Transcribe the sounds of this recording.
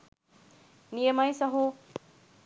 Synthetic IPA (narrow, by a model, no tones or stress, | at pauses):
nijəmajsɐɦu